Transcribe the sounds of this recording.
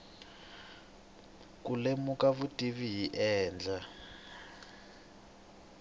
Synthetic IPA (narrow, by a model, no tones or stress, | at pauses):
kulemukaβutʼiβijiʔɛːnd͡ɮʱa